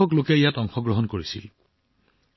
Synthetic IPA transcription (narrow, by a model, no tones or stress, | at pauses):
ɔklokɛijatɔŋxɔɡɹɔɦɔnkoɹisḭl